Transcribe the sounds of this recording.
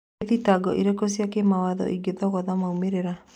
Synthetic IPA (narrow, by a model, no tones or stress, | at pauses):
ðitaɡɔʔiɾekos̬iakemawaðɔ̰ʔiɡeðɔɣɔðamaumeɾeɾa